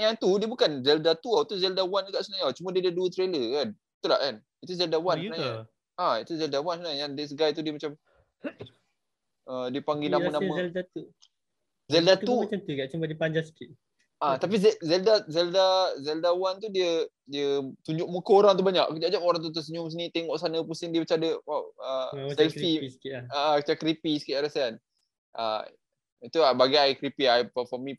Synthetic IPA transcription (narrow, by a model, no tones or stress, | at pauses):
jaŋt̪udiəbukanzɛldat̪uawt̪uzɛldawand͡ʒuɡaʔsənajawt͡ʃumədiədiəduət̪ɾeləkan | it̪ula̰ʔkan | it̪uzɛldawannsənaɲa | ʔait̪uzɛldawansənaɲajaŋdis̬ɡajt̪̬udiəmat͡ʃam | ʔədiəpaŋɡinamanaməɛldat̪u | zɛldat̪uat͡ʃamt̪iɡaʔt͡ʃumbadipaɲd͡ʒasə̥kiʔ | ʔat̪ap̬izɛzɛldazɛldazɛldawant̪udiə | diət̪uɲd͡ʒʊʔ̚mukəoɾaŋt̪̬ubaɲaʔkəd͡ʒad͡ʒamoɾaŋt̪̬ut̪̬uʔs̬əɲʊmsinĩt̪eŋɔʔsanəpusɪŋdiəbət͡ʃadəaəsɛlfisə̥kiaaət͡ʃakɾipisəkit̪aɾasan | ʔə̰ | it̪uabaɡajkɾipiajpəfɔmĩ